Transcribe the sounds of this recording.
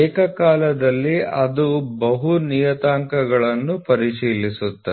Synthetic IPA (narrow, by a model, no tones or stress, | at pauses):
eːkɐkaːlɐd̪ɐlːiɐd̪ubɐɦunijɐt̪aːŋkɐɡɐɭɐnːupɐɾiʂiːlisut̪ːɐ